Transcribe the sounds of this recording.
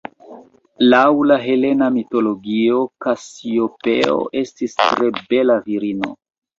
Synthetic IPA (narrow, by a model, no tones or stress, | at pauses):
lawlaɦe̞le̞namito̞loɡio̞kasiopḛo̰ʔe̞stistɾe̞be̞laviɾino̞̰